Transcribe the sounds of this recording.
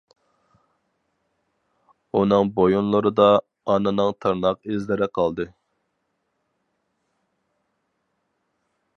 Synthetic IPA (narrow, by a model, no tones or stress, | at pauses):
unɨŋbojonlˠɨɾɨd̪ɑː | nɨnɨŋt̪ʰɑɾnɑqezlɪɾɪqʰɑlˠd̪ɨ